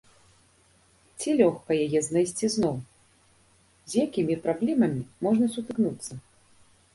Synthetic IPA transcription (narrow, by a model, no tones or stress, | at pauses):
t͡sʲilʲɔxkɐjajɛznajsʲt͡sʲiznɔw | zʲjakʲimʲipɾablʲɛmɐmʲimɔʐnɐsut̪ɨknut̪sːɐ